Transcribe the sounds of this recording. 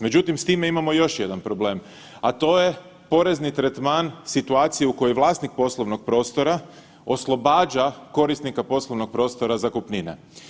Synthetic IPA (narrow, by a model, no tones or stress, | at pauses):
me̞d͡ʑut̪imst̪iːmeimamo̞jo̞ʃjed̪anpɾo̞ble̞ːm | at̪o̞je̞ | po̞ɾe̞znit̪ɾet̪maːnsit̪uaːt̪sijeuko̞joʋlˠaːst̪nik̚po̞slˠoʋnoɡ̥̚pɾo̞ːst̪o̞ɾa | o̞slˠo̞baːd͡ʑako̞ɾist̪nikapo̞slˠo̞ʋno̞ɡ̚pɾo̞ːst̪o̞ɾazakupninḛ